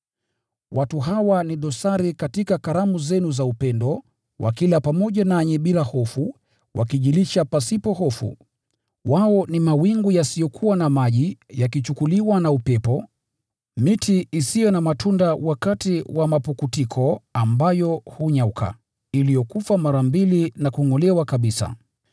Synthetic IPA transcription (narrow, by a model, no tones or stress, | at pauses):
watuɦawaniɗɔsaɾikatikakaɾamuzɛnuzaupɛndɔ | wʔa̰kilapamɔʄanaɲɛɓilahɔfu | wʔa̰kiʄiliʃapasipɔhɔfṵ | waɔnimawiŋɡujasijɔkʰuwanamaʄijakit͡ʃukuliwanaupɛpɔ | mitʰiːsijɔnamatʰundawakatiwʔamapukutikʰɔambajɔhuɲaukʰa̰ | ilijɔkufamaɾambilinakuŋɔlɛwakaɓisa̰